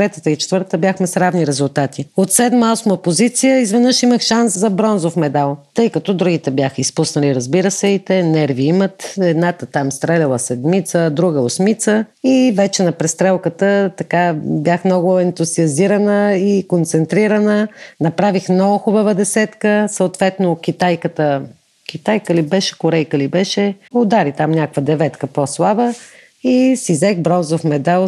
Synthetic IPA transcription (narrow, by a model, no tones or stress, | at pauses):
t̪ɾɛt̪ət̪əit͡ʃɛ̥t̪vəɾt̪t̪əbʲjaxmɛsɾavniɾɛzulˠt̪at̪iot̪sɛd̪masmopozit̪sijəizvɛnəʃiməxʃanszɐbɾɔnzofmɛd̪alˠt̪ɤjkɐt̪ɔd̪ɾuɡit̪ɛbjaxəispusnəliɾɐzbiɾəsɛit̪ɛnɛɾviimət̪ɛd̪nat̪ət̪amst̪ɾɛlʲɐlˠəsɛd̪mit̪səd̪ɾuɡəosmit̪səivɛt͡ʃɛnɐpɾɛst̪ɾɛlˠkət̪ət̪ɐkabʲjaxmnɔɡʊɛnt̪uziɐziɾənəikont̪sɛnt̪ɾiɾənənɐpɾavixmnɔɡʊxʊbəvəd̪ɛsɛt̪kəsəʊt̪vɛt̪nok̟ʲit̪ajkət̪ə | kʲit̪ajkəlibɛʃɛ̥kʊɾɛjkəlibɛʃɛod̪aɾit̪amnʲakvəd̪ɛvɛt̪kəposlˠabə | isizɛɡbɾɔzofmɛd̪alˠ